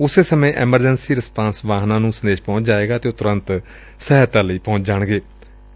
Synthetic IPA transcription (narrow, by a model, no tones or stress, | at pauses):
ʊseːsəmẽːʔɛməɾd͡ʒənsiːɾəspãːnsʋaːɦnãːnũːsənd̪eːʃpɔ̃ːʊt͡ʃd͡ʒaːeːɡaːt̪eːʊt̪ʊɾə̃nt̪ | sɛɦət̪ãːləiːpɔ̃ʊt͡ʃd͡ʒaːɳ̃ɡeː